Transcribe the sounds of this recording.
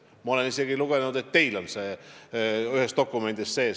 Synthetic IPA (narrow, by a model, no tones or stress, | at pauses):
mɑo̞le̞nise̞ɡiluɡ̥e̞nnud̪̥e̞t̪ːe̞jlo̞nseː | yhest̪o̞kːˑume̞nd̪̥isse̞ː